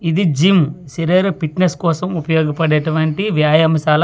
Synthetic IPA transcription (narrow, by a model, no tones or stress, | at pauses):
id̪id͡ʒimsiɾeːɾɐpiʈneskɔːsɐmupɐjɔːɡɐpɐɽeːʈuʋɐɳʈiʋjaːjɐmɐʃaːlɐ